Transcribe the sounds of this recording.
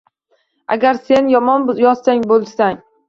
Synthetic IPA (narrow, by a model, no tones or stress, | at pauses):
a̰ɡʲaɾse̞njɒmɒnjɒzsaŋbolˠsaŋ